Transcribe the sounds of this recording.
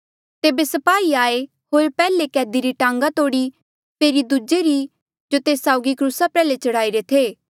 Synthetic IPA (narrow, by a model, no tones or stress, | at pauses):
t̪eːbesɐpaːiaːe | ɦoːɾpɛːlekɛːd̪iɾiʈãːŋɡat̪oːɽi | feːɾid̪ud͡ʒeɾi | d͡ʒot̪eːsaːʊɡikɾuːsapɛːlet͡ʃɐɽaːiɾet̪ʰeː